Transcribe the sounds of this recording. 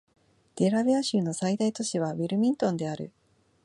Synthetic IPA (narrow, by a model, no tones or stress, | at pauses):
d̪̥e̞ɾaβeaɕɨːno̞said̪ait̪o̞ɕiβ̞aβiɾɯ̟mʲĩnt̪õ̞nd̪e̞aɾɯ̟̰